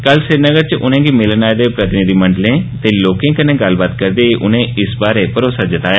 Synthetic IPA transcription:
kəlsɪɾnəɡəɾt͡ʃʊn̤ẽːɡimɪlənaːed̪eːpɾət̪ɪnɪd̪iːmə̃ɳɖlẽːt̪eːloːkẽːkənẽːɡəlbaːt̪kəɾd̪eːʔʊnẽːɪsbaːɾeːpəɾoːsaːd͡ʒɪt̪aːja

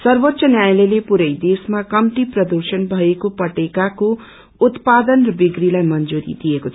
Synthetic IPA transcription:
sʌrbot̪ːsʌnjajlelepuɾʌjd̪esmakʌmʈiprʌd̪ursʌnbʱʌekopʌʈekako | ut̪pad̪ʌnrʌbiɡrilajmʌnd͡zuɾḭd̪iekot͡sʰ

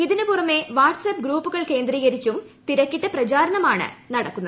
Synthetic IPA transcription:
iðinɨporɐmːe̞ʋaːʈsɐp̚ɡɾuːpːuɣɐɭke̞ːnd̪riːɣɐɾit͡ɕːumt̪iɾɐkːiʈːɨprɐt͡ɕaːɾɐɳɐmaːɳɨ̰nɐɽɐkːunːɐðɨ

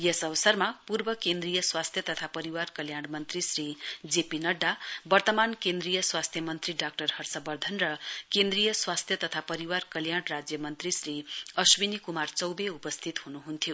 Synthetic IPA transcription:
jesʌβʌsʌrmapurbʌkend̪rijʌswast̪ʰjʌt̪ʌt̪ʰapʌɾiwarkʌljaɽmʌnt̪risrid͡zepinʌɖːabʌrt̪ʌmankẽnd̪rijʌswast̪ʰjʌmʌnt̪riɖak̚ʈʌrhʌrsʌbʌrd̪ʱʌnrʌkend̪rijʌswast̪ʰjʌt̪ʌt̪ʰapʌɾiwarkʌljaɽrad͡zjʌmʌnt̪risriʌswinikumart͡sʌwbeupʌst̪ʰit̪hunuɦunt̪ʰjo

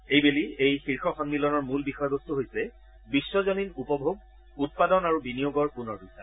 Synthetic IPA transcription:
ejbeliejxiɹxʰɔxɔnmilɔnɔɹmulbixɔjɔɡostuɦojsɛ | bisːɔzɔninupɔbʱoɡ̚ | ut̚padɔnaɹubinijoɡɔɹpunɔɹbisa̰

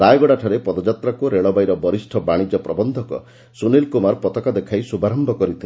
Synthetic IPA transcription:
ɾajɡɔɽaʈʰaɾepɔd̪ɔd͡ʒat̪ɾakuɾeɭɔbajɾɔbɔɾisʈʰɔbaɽ̃id͡ʒɔpɾɔbɔnd̪ʱɔkɔ̰ | sunilkumaɾpɔt̪ɔkad̪ekʰajsubʱaɾɔmbʱɔkɔɾit̪ʰi

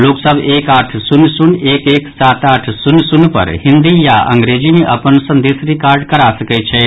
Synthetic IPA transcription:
loːksəbeːkaːʈʰsʊnsʊneːkeːksaːt̪aːʈʰsʊnsʊnpə̰ɾhɪ̃nd̪ijaʔɐ̰̃ŋɡɾeːd͡ʒimeʔɐ̰pənsə̃nd̪eːsɾikaːɾɖkəɾasəkɛt͡ʃʰɛ

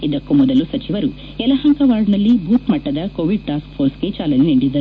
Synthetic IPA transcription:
id̪ɐkːumɔd̪ɐlusɐt͡ʃiʋɐɾu | ɛlɐɦɐŋkɐʋaːɾɖnɐlːibʱuːt̪mɐʈːɐd̪ɐkoːʋiɖ̚ʈaːsk̚pʰoːɾsket͡ʃaːlɐneniɳɖid̪ːɐɾu

